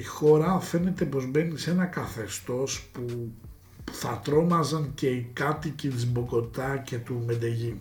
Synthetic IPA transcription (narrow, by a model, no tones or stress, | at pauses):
ixo̞ɾɐfe̞ne̞t̪e̞po̞zbe̞nise̞nɐkɐθe̞st̪o̞spu | θɐt̪ɾo̞mɐzɐnce̞ikɐt̪icit̪izbo̞ko̞t̪ɐce̞t̪umed̪eʝi